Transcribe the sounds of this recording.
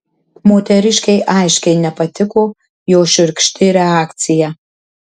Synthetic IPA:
moːt̪ʲɛɾʲɪʃʲkʲɛɪʔaɪʃʲkʲɛɪnʲɛpɐt̪ʲʰɪkoː | joːʃʲɪɾkʃʲt̪ʲʰɪɾʲɛaːkt̪sʲɪjɛ

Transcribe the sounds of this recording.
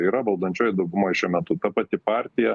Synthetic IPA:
iːɾɐʋɐlˠd̪ɐnʲt͡ʃʲoːjd̪ɐʊɡʊmoːjʃʲɛːmʲɛt̪ut̪ɐpɐt̪ʲɪpɑːɾʲt̪ʲɪjɛ

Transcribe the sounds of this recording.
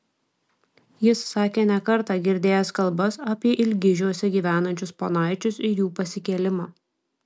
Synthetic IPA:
jɪsːɑːkʲeːnʲɛkɐɾt̪ɑːɡʲɪɾʲd̪ʲeːjɛskɐlˠbɐsɐːpʲiɛʔɪlʲɡʲɪʒʲuɔsʲɛɡʲiːʋʲæːnɐnʲt͡ʃʲʊsponɑˑɪt͡ʃʲʊsɪjuːpɐsʲɪkʲɛlʲɪmɑː

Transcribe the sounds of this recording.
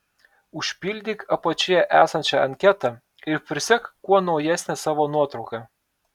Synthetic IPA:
ʊʃʲpʲɪlʲd̪ʲiːkɐpɐt͡ʃʲɪjɛʔæ̰ːsɐnʲt͡ʃʲɛɐŋʲkʲɛt̪ɑ | ɪɾpʲɾʲɪsʲɛkkːuɔnɒʊjæsʲnʲɛsɑːʋoːnuɔt̪ɾɒʊkɑ

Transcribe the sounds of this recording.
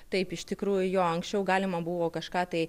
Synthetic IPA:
t̪ɐɪpɪʃt̪ʲɪkɾuːjʊjoːɐŋksʲt͡ʃʲɛʊɡɑːlʲɪmɐbʊʋoːkɐʃkɑːt̪ɐɪ

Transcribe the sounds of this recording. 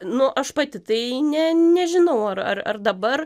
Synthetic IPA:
nʊʔɐʃpɑt̪ʲɪt̪ɐɪnʲɛnʲɛʒʲɪnɐʊɐɾɐ̰rɐ̰rd̪ɐbɐr

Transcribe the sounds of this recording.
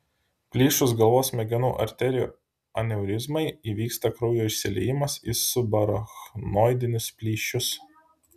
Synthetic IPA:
pʲlʲiːʃʊsɡɐlˠʋoːsmʲɛɡʲɛnṵːʔɐ̰ɾʲt̪ʲɛɾʲɪjṵː | ɐ̰nʲɛʊɾʲɪzmɐɪiːʋʲiːkst̪ɐkɾɒʊjoːɪʃʲsʲɪlʲɛ̰jɪmɐsisʊbɐɾɐxnoːjd̪ʲɪnʲʊspʲlʲiːʃʲʊs

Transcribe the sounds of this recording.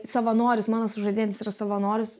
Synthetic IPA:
sɐʋɐnoːɾʲʊsmɑːnoːsʊʒɐd̪ʲeːnʲɪsiːɾɐsɐʋɐnoːɾʲʊs

